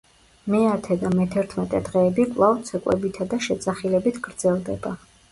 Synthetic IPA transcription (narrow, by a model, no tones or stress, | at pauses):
mɛat̪ʰɛd̪amɛt̪ʰɛɾt̪ʰmɛt̪ʼɛd̪ʁɛːbikʼlˠavt̪sʰɛkʼwɛ̰bit̪ʰad̪aʃɛt̪sʼaχilɛbit̪ʰɡ̥ɾd̪zɛlˠd̪ɛba